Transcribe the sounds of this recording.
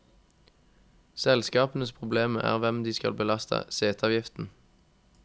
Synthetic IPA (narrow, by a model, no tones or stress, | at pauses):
sɛlskɑːpən̩əspʰʁʊbleːməʔæ̰ːʁʋɛmd̪iːskɑ̰lbəlɑst̪ʰə̰seːt̪ʰɑːʋjɪft̪n̩